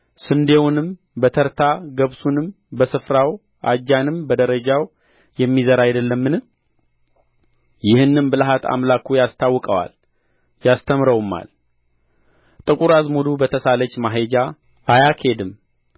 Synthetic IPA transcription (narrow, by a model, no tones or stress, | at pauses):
sɨnd̪e̞wunɨm | bət̪ʰəɾt̪ʰaɡəβsunɨm | bəsɨfɾaw | ʔa̰d͡ʒːanɨmbəd̪əɾəd͡ʒaw | jɛmːizəɾajd̪əlːəmːɨn | jɪhɨnːɨmbɨlaɦat̪ʰa̰mlakʰujast̪ʰawːkʼəwa̰l | jast̪ʰəmɾəwmːa̰l | t̪ʼɨkʼuɾazmulubət̪ʰəsalət͡ʃːmaɦed͡ʒa | ʔːjakʰe̞d̪ɨm